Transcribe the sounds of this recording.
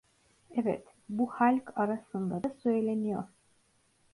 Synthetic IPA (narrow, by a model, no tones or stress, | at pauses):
ɛvɛ̰t̪ | buhalʲkʰaɾasɯnd̪ad̪asø̞jlʲenijo̰ɾ̥